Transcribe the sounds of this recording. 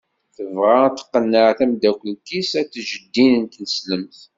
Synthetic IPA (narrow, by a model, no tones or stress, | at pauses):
θəvʁat̪ːə̥qːənːəʕθæmd̪ækʷːəlkisæt͡sːʒəd̪ːinənt̪nəsləmθ